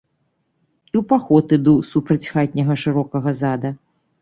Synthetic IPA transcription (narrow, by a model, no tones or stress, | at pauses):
iwpaxɔt̪ɨd̪usupɾɐt͡sʲxat̪̚ʲnʲɐɣɐʂɨɾɔkɐɣɐzad̪ɐ